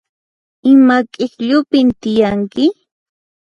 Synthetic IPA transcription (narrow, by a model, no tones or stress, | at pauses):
ɪmakʼɪkʎʊpɪnt̪ɪjaŋkɪ